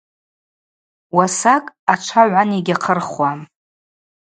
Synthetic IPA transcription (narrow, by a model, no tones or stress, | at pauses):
wasakʼat͡ʃʷʰaʕʷaniɡʲaqʰərχwam